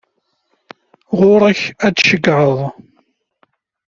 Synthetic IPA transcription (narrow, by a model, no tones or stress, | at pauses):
ʁʊɾˤæçædʃəɡːʕəðˤ